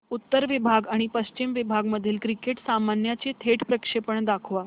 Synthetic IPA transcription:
ut̪ːəɾʋibʱaɡaɽ̃ipəɕt͡ɕimʋibʱaɡməd̪ʱiːlkɾikeʈsamanjat͡set̪ʰeʈpɾəkʂepəɳd̪akʰʋa

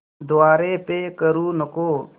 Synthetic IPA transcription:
d̪ʊaːɾeːpeːkəɾuːnəkoː

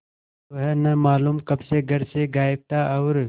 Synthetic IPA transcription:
ɐɦenɐmaːluːmkɐbseɡʱɐɾseɡaːɪb̚t̪aːʔɐwɾ

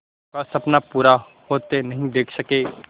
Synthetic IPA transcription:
kasɐpnapuːɾa | hoːt̪enɐɦĩd̪eːkʰsɐkeː

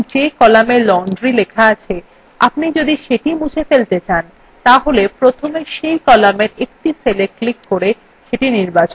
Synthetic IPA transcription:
d͡ʑekɔlamelɔɳɖɾilekʰaat͡ɕʰe | a̰pnid͡ʑod̪iʃeʈimud͡ʑʰʱefelt̪et͡ɕan | t̪aɦolepɾot̪ʰomeʃejkɔlameɾek̚ʈiseleklikːoɾe | ʃeʈiniɾbat͡ɕon

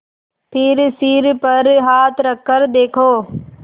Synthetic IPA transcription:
pʰɪɾsiɾpəɾɦaːt̪ʰɾəkʰːəɾd̪eːkʰoː

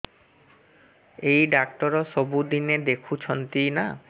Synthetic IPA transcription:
ejɖak̚ʈɔɾɔsobud̪ined̪ekʰut͡ɕʰɔnt̪ina

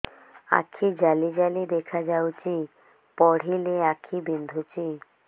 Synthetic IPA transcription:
a̰kʰid͡ʒalid͡ʒalid̪ekʰad͡ʒawt͡ʃi | pɔɽ̤ileakʰibind̪ʱut͡ʃi

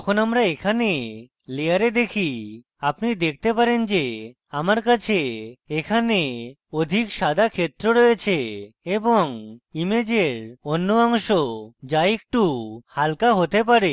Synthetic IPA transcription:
t̪ɔkʰonamɾaekʰane | lejaɾed̪ekʰi | apnid̪ek̚ʰt̪epaɾend͡ʒe | amaɾkat͡ʃʰeekʰane | od̪ʱikʃad̪ʱakʰet̪ɾoɾɔjet͡ʃʰeeboŋimed͡ʒeɾonːoaŋʃod͡ʒaek̚ʈuhalkaɦot̪ep̬aɾe

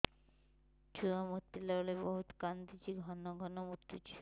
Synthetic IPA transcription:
t͡ɕuamut̪ːilɔleboɦut̪kant̪it͡ɕiɡʱɔnːoɡʱɔnomuɾt̪ut͡ɕʰi̥

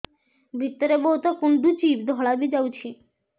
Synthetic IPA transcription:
bʱit̪ːoɾeboɦut̪ɔkund̪ut͡ɕipd̪ʱɔɭabid͡ʑawt͡ɕʰi

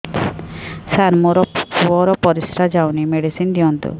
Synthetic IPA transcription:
saɾmɔɾɔpuɔɾɔpɔɾisɾad͡ʒawnimeɽisind̪ijɔnt̪ṵ

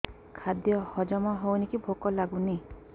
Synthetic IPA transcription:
kʰad̪jɔhɔd͡ʒɔmɔɦownikibʱokɔlaɡuni

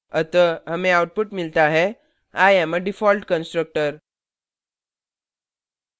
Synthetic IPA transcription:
ət̪əəmeawʈ̚puʈmilt̪aɦe | ajɛməɖifɔlʈkənsʈɾək̚ʈəɾ

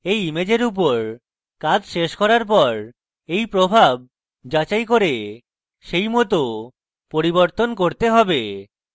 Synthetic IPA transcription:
ejimed͡ʑeɾup̬oɾ | kad͡ʑʃeʃkɔɾaɾp̬ɔɾ | ejpɾobʱab̚ | d͡ʑat͡ɕajkoɾe | ʃejmɔt̪o | poɾiboɾt̪onkoɾt̪eɦɔbe

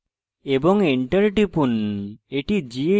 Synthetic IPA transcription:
ebɔŋiɳʈɐɾiʈipuneʈid͡ʒie

